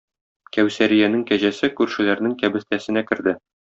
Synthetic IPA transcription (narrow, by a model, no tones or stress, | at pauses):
kæwsæɾijænɘŋkæʑæsɘkʉɾʃɘ̆læɾnɘŋkæbɘ̆st̪æsɘ̆nækɘ̆ɾd̪ɘ